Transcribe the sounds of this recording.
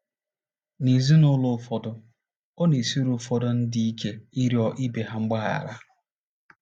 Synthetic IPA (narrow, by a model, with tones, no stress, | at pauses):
ni˨zi˦nʊ˦lʊ˦˨fɔ˨dʊ˦ | o˦ne˨si˦ɾu˨fɔ˦dɔ˦n̩˦dɪ˦i˦kʰe˦i˦ɾi˦ɔ˦ʔi˦be˨ɦa˦ŋ͡m̩˦ɡ͡ba˦ɣa̰˨ɾa˦